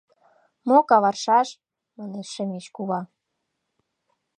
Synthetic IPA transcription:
mokɑβɑrʃɑʃ | mə̆neʃə̆meʃkuβɑ

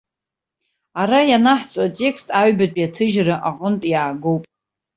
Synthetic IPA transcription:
aɾajanaħt͡sʼatʼe̞kstʼaɥbatʷʼjatʰɨʒraʔaqʼəntʼjaːɡo̞wpʼ

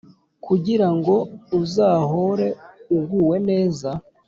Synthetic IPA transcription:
kuɟiɾaŋɡo̞uzaːɦoɾe̞uɡuːwe̞ne̞ːza

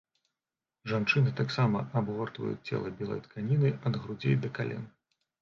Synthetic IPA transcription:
ʐant͡ʂɨnɨt̪aksamɐʔabɣɔrt̪vɐ̰jṵt͡sʲt͡sʲɛ̰lˠɐbʲɛlˠɐ̰jt̪kʰanʲinɨɐd̪ɣɾud͡zʲḛjd̪ɐkalʲɛ̰n

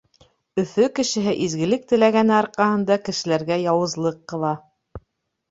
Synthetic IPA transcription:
ɵ̆θɵkɘ̆ʃɘ̆ɦɘʔizɡɘ̆lɘk̚t̪ɘ̆læɡænɘɑɾqɑhɤ̆nd̪ɑkɘ̆ʃɘ̆læɾɡæjɑwɤ̆zlˠɤqːɤ̆lˠɑ

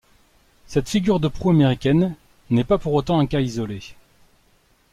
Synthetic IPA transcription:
sɛt̪fiɡʲyʁd̪əpχuameʁikʲɛnː | ɛpapuʁot̪ɑ̃ɛ̃kaizɔle

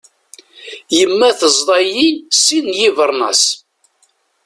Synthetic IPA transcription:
jəmːæθəzˤd̪ˤɑjisinjivəɾˤnɑ̰s

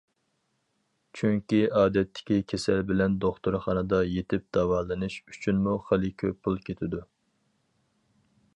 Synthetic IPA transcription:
t͡ʃʰyŋkʲiɑːd̪ɛt̪ʰːɪ̥kʲikʲʰesɛlbɪlɛnd̪oχt̪uɾχɑnɨd̪ɑjet̪ʰɪp̚d̪̥ɑwɑːlˠɨnɨʃyt͡ʃʰynmuχəlˠɨkʲʰøpʰːulˠkʲʰet̪ʰɪd̪u

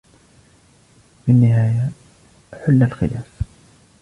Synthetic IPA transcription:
fɪnːɪɦaːja | ħʊlːalxɪlaːf

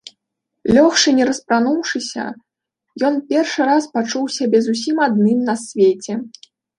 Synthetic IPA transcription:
lʲɔxʂɨnʲɛɾɐspɾanuwʂɨsʲɐ̰ | jɔnpʲɛrʂɨɾaspat͡ʂuwsʲabʲɛzusʲimad̪nɨmnɐsʲvʲet͡sʲɛ

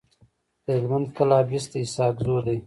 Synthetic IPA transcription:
d̪̥əhɪlmand̪̚kalɑːbist̪aisɑːɡzod̪aj

